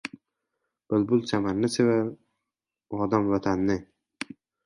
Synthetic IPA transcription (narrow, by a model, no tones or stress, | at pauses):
b̥ɪlbʊlˠt͡ʃʰamanːɪsʰeva | ɒd̪amvat̪ʰanːɪ